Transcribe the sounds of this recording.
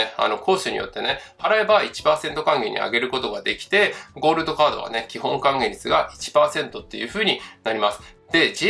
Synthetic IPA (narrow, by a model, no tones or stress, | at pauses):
ea̰no̞kʰo̞ːɕɨɲ̟ḭjo̞̰t̪ːe̞ne̞haɾaebait͡ɕi̥paːsẽ̞nt̪o̞kãŋɡe̞̰ɲ̟ḭa̰ɡe̞ɾɯ̟ko̞t̪o̞ɡad̪e̞kʲi̥t̪e̞ɡo̞ːɾɯd̪o̞kaːd̪o̞̰βa̰ne̞kʲiɦõ̞ŋkãŋɡe̞ɾʲit͡sɨɡaʔit͡ɕi̥paːsẽ̞nt̪o̞t̪ːe̞jɯ̟ːɸɯ̟ːɲ̟inaɾʲimasɨ̥ | d̪̥e̞d͡ʑi